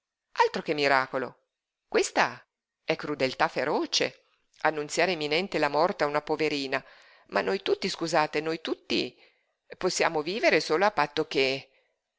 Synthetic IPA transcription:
alt̪ɾok̟emːiɾaːkolo̰ | kwest̪a̰ | ɛkːɾud̪elt̪afːeɾɔːt͡ʃḛ | anːunt̪sjaːɾeːmːinɛnt̪elamɔrt̪eaunapoveɾiːna | mʔa̰nːojt̪ut̪ːiskuzaːt̪enojt̪ut̪ːḭ | posːja̰ːmoviːveɾesoːloafːat̪ːok̟e

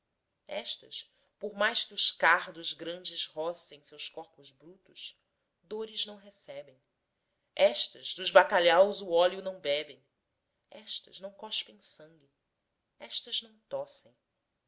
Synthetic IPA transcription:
ɛʃt̪ɐs | pʊɾmajʃkɪʊʃkaɾd̪ʊzɡɾɐ̃nd͡ʒɪzhɔsẽj̃sewskɔɾpʊzbɾut̪ʊʃ | d̪oɾɪznɐ̃w̃ɦesɛbẽj̃ | ɛʃt̪ɐzd̪uzbakaʎawzuɔliʊnɐ̃w̃bɛbẽj̃ | ɛʃt̪ɐ̰ʒnɐ̃w̃kɔʃpẽj̃sɐ̃ŋɡʲɪ | ɛʃt̪ɐznɐ̃w̃t̪ɔsẽj̃

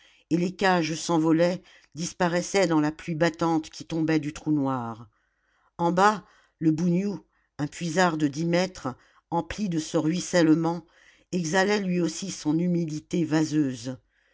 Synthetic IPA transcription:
elekʲaʒsɑ̃vɔlɛ | d̪ispaʁɛsɛd̪ɑ̃laplɥibat̪ɑ̃t̪kʲit̪ɔ̃bɛd̪yt̪χunwaʁ | ɑ̃ba | ləbunju | ɛ̃pɥizaʁd̪əd̪imɛt̪χ | ɑ̃plid̪əsəʁɥisɛlmɑ̃ | ɛɡzalɛlɥiosisɔ̃nymid̪it̪evazøːz

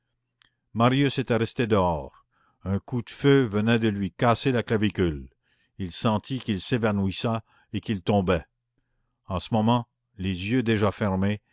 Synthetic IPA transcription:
maʁjyset̪ɛʁɛst̪ed̪əɔːʁ | œ̃kud̪əføvənɛd̪əlɥikaselaklavikʲyl | ilsɑ̃t̪ʰikilsevanwisa | ekilt̪ɔ̃bɛ | ɑ̃səmɔmɑ̃ | lezjød̪eʒafɛʁme

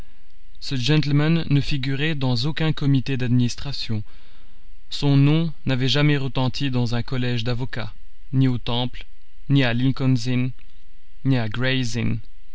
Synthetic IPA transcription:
səʒɛ̃t̪lmanːəfiɡʲyʁɛd̪ɑ̃zokʲɛ̃kɔmit̪ed̪ad̪minist̪χasjɔ̃ | sɔ̃nɔ̃ | navɛʒamɛʁət̪ɑ̃t̪ʰid̪ɑ̃zɛ̃kɔlɛʒd̪avɔka | niot̪ɑ̃pl | nialĩŋkɔnzinː | iaɡʁɛjzin

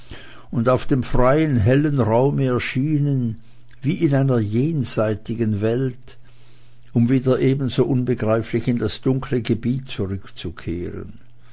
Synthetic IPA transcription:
ʊndaʊfd̥eːmfʁaɪənɦɛlənʁaʊməɛɐʃiːnən | viːɪnaɪnɐjeːnz̥aɪtɪɡənvɛlt | ʊmviːdɐʔeːbn̩zoːʔʊnbəɡʁaɪflɪçɪndasd̥ʊŋkʰləɡəbiːt̚t͡suʁʏkt͡sukʰḛːʁə̰n

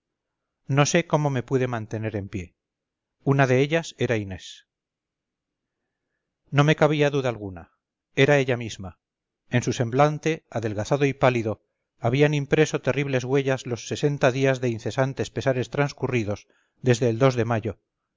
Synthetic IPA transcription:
no̞se̞ko̞mo̞me̞puðe̞mãnt̪e̞ne̞ɾe̞mpje̞ | unaðe̞eʎase̞ɾaine̞s | no̞me̞kaβ̞iaðuðaːlɣ̞una̰ | e̞ɾae̞ʎamizma | ensuse̞mblant̪e̞aðe̞lɣaθaðo̞ipaliðo̞ | aβ̞ianĩmpɾe̞so̞t̪e̞riβle̞zɣwe̞ʎazlo̞sːe̞se̞nt̪aðiazðe̞inθe̞sant̪e̞spe̞saɾe̞st̪ɾanskuriðo̞z | ðe̞zðe̞ːld̪o̞zðe̞maʎo̞

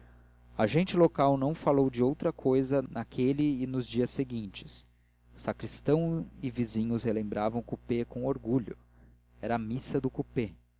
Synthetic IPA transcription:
aʒẽnt͡ʃɪlokawnɐ̃w̃falowd͡ʒɪowt̪ɾɐkʰojzɐnakʰelɪːnʊzd͡ʒiɐsːeɡĩnt͡ʃɪ̥s | ʊsakɾist̪ɐ̃w̃ɪvizĩɲʊshelẽmbɾavɐ̃w̃kupekõw̃oɾɡuʎʊ | ɛɾɐːmisɐd̪ʊkupe

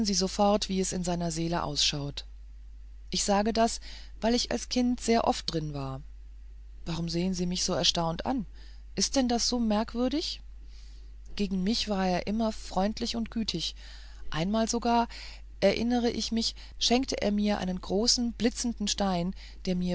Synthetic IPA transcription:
nziːzofɔɐtv̥iːɛsɪnzaɪnɐzeːlə̰ʔa̰ʊsʃaʊt | ʔɪçz̥aːɡədas | vaɪlɪça̰lskʰɪntz̥eːɐʔɔft̚d̥ʁɪnvaːɐ | v̥aʁʊmzeːənziːmɪçz̥oːɛɐʃtaʊntʔa̰n | ʔɪst̚d̥ɛndasz̥oːmɛɐkv̥ʏɐɾɪç | ɡ̥eːɡŋ̩mɪçv̥aːɐeːɐʔɪmɐfʁ̥ɔʏntʰlɪçʊntɡ̥yːtʰɪç | ʔaɪnmaːlzoɡaːɐ | ʔɛɐʔɪ̰nəʁ̞əʔɪçmɪç | ʃɛŋktəʔḛːɐmiːɐʔa̰ɪnənɡʁoːsn̩blɪt͡sn̩dn̩ʃtaɪn | d̥eːɐmiːɐ

